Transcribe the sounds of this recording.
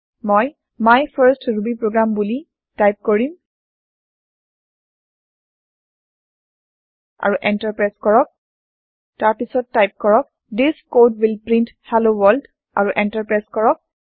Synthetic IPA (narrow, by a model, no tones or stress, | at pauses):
mɔj | majpʰaɹstɹubipɹoɡɹambuli | tajp̚koɹim | a̰ɹuʔɛntaɹpɹaskɔɹɔk̚ | taɹpisɔtːajp̚kɔɹɔk̚ | diskodwilpɹĩnthalowɔld | ʔa̰ɹuʔɛntapɹaskɔɹɔk̚